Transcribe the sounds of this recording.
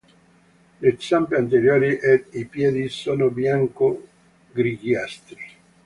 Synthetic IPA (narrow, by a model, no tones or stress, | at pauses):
lesampiant̪eɾjoːɾiʔɛipjɛːd̪isoːnobjaŋko | ɡɾiɡjast̪ɾi